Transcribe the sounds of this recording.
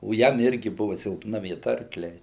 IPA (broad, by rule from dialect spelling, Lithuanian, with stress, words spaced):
oː ˈjɛm ˈɪrʲɡʲɪ ˈbʊʋʊ sʲɪlˠpˈnɐ ʋʲiɛˈtɐ ɐrkˈlʲɛɪ